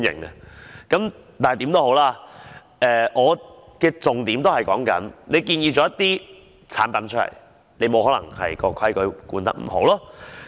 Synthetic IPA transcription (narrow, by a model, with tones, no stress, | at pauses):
njɪ̰˨˩ŋɛ˧kɐ˨˥m | t̪aː˨n˨jt̪iː˨˥mt̪o˥ho˨˥wlaː˧ | ɛː˨ʔɔː˨˧kɛː˧t͡sʊ˨ŋt̪iː˨˥mt̪o˥hɐ˨˩jkɔː˨˥ŋkɐ̰˨˥nle˨˧jkiː˧njiː˧t͡sɔː˨˧˥jɐ˥t̪iː˥ | t͡sʰaː˨˥npɐ˨nt͡ʃʰɵ˥lɐ̰˨˩j | ne˨˧jmo˨˧whɔː˨˥lɐ˨˩ŋhɐ̰˨jkɔː˧kʰɐ˥jkɵ˨˥ɥkuː˧nt̪ɐ̰˥k̚m̩˨˩ɦo˨˥wlɔː˥